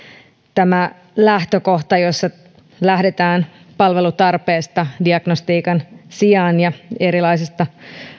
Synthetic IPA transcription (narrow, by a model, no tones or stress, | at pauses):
t̪æmæ | læht̪øko̞ht̪ɑjosːɑ | læhde̞t̪æːn | pɑlʋe̞lut̪ɑrpe̞ːst̪ɑdiɑɡ̥nost̪iːkɑnsiɑːnjɑeɾilɑisest̪ɑ